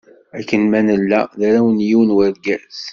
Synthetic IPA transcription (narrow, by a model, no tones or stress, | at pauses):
ækːənmænəlːæðæɾawənjiwənwəɾɡæθ